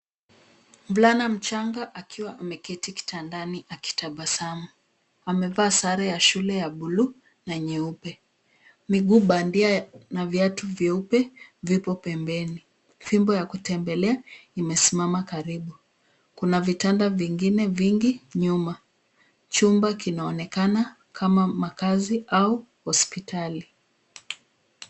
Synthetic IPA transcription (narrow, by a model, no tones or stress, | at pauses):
m̩vlanam̩t͡ʃaŋɡaʔakʰiwaʔamɛkɛtiki̥tandaniʔaki̥taɓasamu | amɛvaːsaɾɛjaʃulɛjaɓulu | naɲiupɛ | miɠuɓandianavjatuvjɛupɛvipɔpɛmbɛni | fimbɔjakutɛmbɛlɛaimɛsimamakaɾiɓu | kunavitandaviŋɡinɛviŋɡiɲuma | t͡ʃumbakinaɔnɛkana | kʰamamakaziʔauhɔspitali